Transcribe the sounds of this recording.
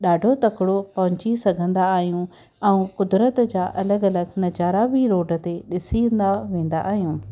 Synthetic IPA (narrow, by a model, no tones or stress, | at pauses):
ɗaːɖʱot̪ɐkɪɽopɐɦʊ̃ɲt͡ɕisɐɡʱə̃nd̪aːɦijũ | ɛ̃ũkʊd̪ɾət̪d͡ʑaːʔɐləɡɐləɡnɐd͡ʑaːɾabiɾoːɖət̪eɗɪsiə̃nd̪aʋẽːn̆d̪a̰ʔaːɦijũː